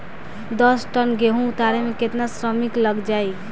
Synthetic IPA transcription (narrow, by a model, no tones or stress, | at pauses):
d̪əsʈənɡeɦũut̪aɾemeket̪nasɾəmikləɡd͡ʒaj